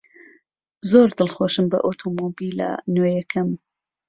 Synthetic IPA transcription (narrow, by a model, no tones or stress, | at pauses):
zoɾd̪ɨlxoʃɨmbɐ̰ʔot̪ʰomobilɐ̰nwejɛkʰɐm